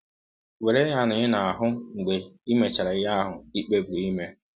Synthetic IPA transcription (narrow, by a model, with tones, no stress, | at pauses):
we˨ɾe˦ɦa˦nʊ˨ɲɪ˦na˨a˨ɦʊ˦ŋ͡m̩˨ɡ͡be˨i˦me˨t͡ʃa˨ɾa˨ɪ˦ɦa˦a˦ɦʊ˨i˦k͡pe˦bu˨ɾi˦me˦